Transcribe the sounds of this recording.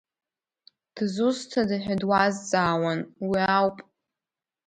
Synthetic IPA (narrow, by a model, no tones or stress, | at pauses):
d̥zustʰadɨħʷᶣadwazt͡sʼaːwanwiawpʼ